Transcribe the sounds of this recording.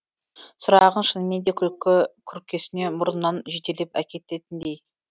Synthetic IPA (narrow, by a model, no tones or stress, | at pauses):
sʊɾɑʁənʃənmend̪e̞kʲʰkʲʰʏɾkʲːe̞sɪne̞mʊɾənːɑnʒet̪e̞lepæ̰kʲe̞t̪e̞t̪ɪnd̪ej